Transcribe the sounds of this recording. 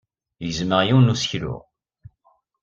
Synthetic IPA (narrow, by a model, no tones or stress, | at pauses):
jzməʁjiwnusçlʊ̰ʁ